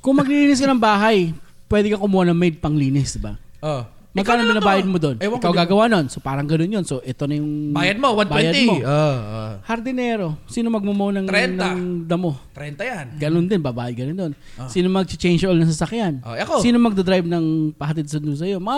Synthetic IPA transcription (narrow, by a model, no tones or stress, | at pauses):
kʊŋmɐɡliliːnɪs̬kɐnɐŋbaːɦɐjpwɛːd̪ɛkɐkʊmuːhɐnɐŋmɛjd̪̚pɐŋliːnɪsd̪ɪba̰ | ʔo | mɐɡkaːnoɪnɐbaːjɐd̪̚mod̪o̞nwɐɪkawɡaːɡɐwanonsopaːɾɐŋɡɐnonjonso̞ʔɛt̪o̞nɐjʊŋbaːjɐd̪̚mowɐnbaːɛjɐd̪moohɐɾd̪ɪnɛːɾo̞siːnomɐɡ̚mʊmownɐŋɾɛnnaŋd̪ɐmo̞t̪ɾɛnt̪ɐjanɡɐnond̪ɪnbɐbaːjɐd̪̚kɐnond̪o̞n | siːnomɐɡ̚t͡ʃɪt͡ʃɛjnt͡ʃʔolnɐŋs̬ɐsɐkjanʔoɐkosiːnomɐɡ̚d̪ɐd̪ɾajb̚nɐŋpɐhɐt̪ɪd̪̚sɐnʊns̬ɐjo̞mɐŋa